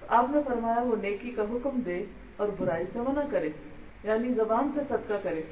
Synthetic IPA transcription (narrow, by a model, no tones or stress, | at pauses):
aːpnẽfɐɾmaːjaʋoneːkikaɦʊkmd̪eː | ɔːɾbʊɾaːisẽʋɐnakɐɾeː | jaːnizɐbaːnsesɐd̪kakɐɾeː